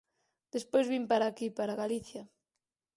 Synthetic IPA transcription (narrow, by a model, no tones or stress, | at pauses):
d̪̥espojzβimpaɾakipaɾaɣaliθja